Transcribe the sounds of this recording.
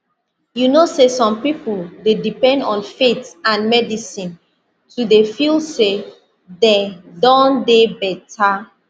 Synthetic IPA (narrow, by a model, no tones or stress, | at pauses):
junosesɔ̃mpipuldedipɛ̃ndɔ̃nfetãnmɛdisĩn | tʰudefilse | dedɔ̃ndebɛtʰa